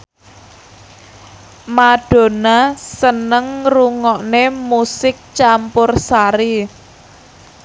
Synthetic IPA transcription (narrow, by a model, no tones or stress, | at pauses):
madɖ̥o̤nasənəŋruŋɔʔnemusɪk̚t͡ʃampʊrsaɾi